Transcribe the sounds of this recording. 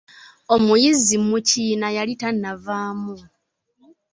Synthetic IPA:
o̞mujizimucinajalitanːavaːmu

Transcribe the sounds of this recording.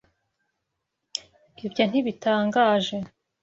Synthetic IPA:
ibjon̥iβitaːŋɡaːʒe̞

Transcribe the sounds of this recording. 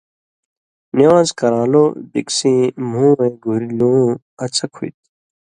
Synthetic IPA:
niaːzkɐɾãːloːbḭksĩːmũːẽːɡʱuɾlũː | ɐt͡sɐkʰuit̪̚

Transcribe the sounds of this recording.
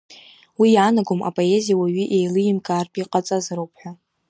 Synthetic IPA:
wijaːnaɡoma̰pʼo̞e̞zijawaɥiʔejlɨjɪmkʼarpʼiqʼat͡sʼazaɾowpʰʼħʷᶣa

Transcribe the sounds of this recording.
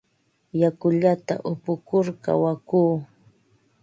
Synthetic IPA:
jakʊʎat̪a̰ʔʊpʊkʊɾka̰wakuː

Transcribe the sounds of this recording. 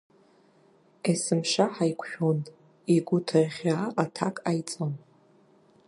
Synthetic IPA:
esɨmʂaħajkʷʰʃᶣon | iɡʷʊtʰaʁʲaatʰakʼajt͡sʼon

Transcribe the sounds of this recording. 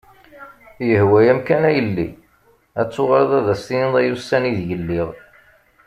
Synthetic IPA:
jəhwæjæmkænæjəlːḭ | æt͡sːʊʁɑɾðˤæðæst̪iniðˤæjusæniðjəlːɪʁ

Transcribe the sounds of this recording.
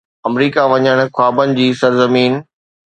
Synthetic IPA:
ɐmɾiːkaʋɐɲəɽ̃xʊaːbənɪ̆d͡ʑiːsɐɾzəmiːn

